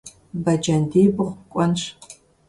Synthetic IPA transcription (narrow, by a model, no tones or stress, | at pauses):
bɐd͡ʒɐndeːbɨʁʷkʷʼɔnʂ